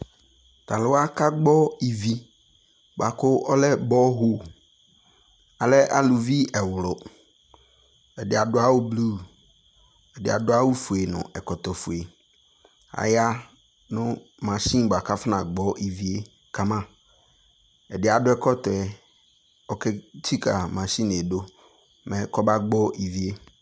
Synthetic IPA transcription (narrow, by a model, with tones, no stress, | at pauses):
t̪ʰa˨lʊ˨wa˦ka˦ɡ͡bɔ˦i˨vi˦ | ba˨kʊ˦ɔ˦lɛ˦bɔ˦ɦo˦ | a˨lɛ˦ʔa˦lʊ˨vi˦ɛ˨wʊ˨lʊ˨ | ɛ˨dɪ˨a˨dʊ˦a˦wʊ˦blu˦˨ | ɛ˨dɪ˨a˨dʊ˦a˦wʊ˦fu˨e˨nʊ̰̃˨ʔɛ˨kɔ˨tɔ˨fʊ˨e˨ | a̰˨ja˦ | nʊ̃˦ | mã˨ɕĩ˦˨ɡ͡ba˨kʰa˦fɪ˦nã˨ɡ͡bɔ˦ʔi˨vi˨˦e˦ | kʰa˦mã˦˨ | ɛ˨dɪ˨˦a˨dʊ˦ɛ˦kɔ˦tɔ˨ɛ˨ | ɔ˨kʰɛ˦tʰi˦kʰa˨mã˨ɕĩ˦n˨e˨do˦ | mɛ̃˨kʰɔ˦ba˦ɡ͡bɔ˦i˨vi˨e˦